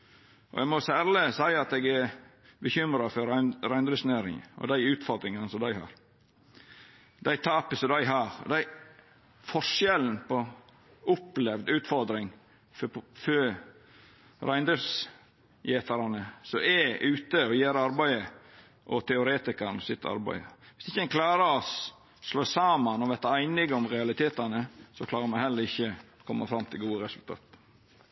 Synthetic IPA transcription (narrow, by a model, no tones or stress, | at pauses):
ʔɔ̰ɛmɔsæːɾlɪsæɪɑt̪ɛɡæɾ | bəçʏmɾɑfɔɾæɪnd̪ɾəsnæːɾɪ̰ŋə̰ɔ̰d̪æɪʉːt̪fɔɾd̪ɾɪŋɑnsɔd̪æɪhɑ̰ːɾ | d̪æɪt̪ʰɑːpəsɔd̪æɪɦɑːɾɔ̰d̪æɪ | fɔʂjɛln̩pɔ | ʊplɛʋd̪ʉːt̪fɔɾd̪ɾɪŋ | fø | ɾæɪnd̪əs | jeːt̪ɑɾɑnəsɔɛʔʉːt̪əɔjeːɾəɑɾbæɪə | ʔɔt̪ʰɛʊɾeːt̪ɪkɑnəsɪt̪ʰːɑ̰ɾbæ̰ɪʋɪsɪçːəɛnkʰlɑːɾəɾɔs | sloːsɑːmɑnɔʋɛt̪ːəæɪnɪɡəɔmɾɛɑlɪt̪ʰeːt̪ɑnəsɔklɑːɾəmɛnhɛlːəɾɪçːəkʰɔmːɑfɾɑmt̪ʰɪlɡuːəɾɛsʉlt̪ʰɑ̰ːt̪